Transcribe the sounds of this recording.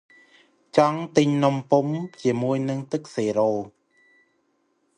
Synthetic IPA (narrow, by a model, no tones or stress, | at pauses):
t͡ɕɑŋt̪ɨɲnompumt͡ɕiəmuəjnɨŋt̪ɨk̚seːɾoː